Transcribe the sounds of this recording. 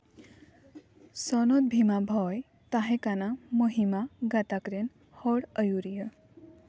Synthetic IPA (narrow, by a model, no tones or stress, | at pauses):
sɔnot̪̚bʱimabʱɔj | t̪aɦẽkanamoɦimaɡat̪akɾen | hɔɽəjuɾijə